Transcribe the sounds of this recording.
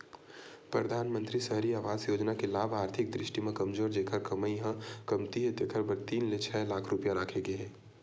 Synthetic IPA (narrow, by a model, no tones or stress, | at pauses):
pɾɐd̪ʱaːnmə̃nt̪ɾisəɦɾiaːʋaːzjoːd͡ʒnakelaːbʱaːɾt̪ʰɪk̚d̪ɾɪʃʈimẽkɐmzoːɾd͡ʒeːkʰəɾkɐməiɦãkɐmt̪iɦɛt̪ekʰəɾbɐɾt̪iːnlet͡ʃʰɛːlaːkʰɾʊpijaɾaːkʰeɡeɦɛ̃ː